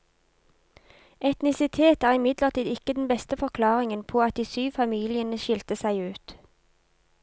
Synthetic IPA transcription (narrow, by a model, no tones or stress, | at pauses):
ɛt̪nɪsɪt̪ʰeːt̪æːʁɪmɪd̪ləʁt̪ʰiːd̪ɪkəd̪n̩bɛst̪əfɔʁkʰlɑːʁɪŋənpʰoːɑt̪̚d̪iːsyːʋfɑmiːlɪənəʃɪlt̪əsæɪʉːt̪